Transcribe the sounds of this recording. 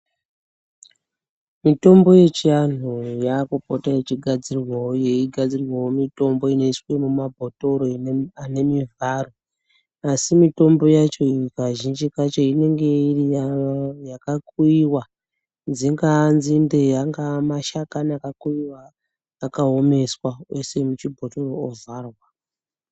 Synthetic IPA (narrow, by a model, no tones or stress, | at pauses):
mito̞mbo̞je̞t͡ʃian̤ujakupotajet͡ʃiɡʱad͡zirwaoje̞iɡʱad͡zirwawomito̞mbo̞ino̞iswe̞mumabʱoto̞ɾo̞ane̞mivʱaːro | asimito̞mbo̞jat͡ʃo̞ikaʒind͡ʒikat͡ʃo̞ine̞ŋɡe̞iriajakakuiwa | nziŋɡanzindejaŋɡamaʃakanakakuiwaː | kaɦome̞swawe̞se̞mut͡ʃibʱoto̞roːvarwa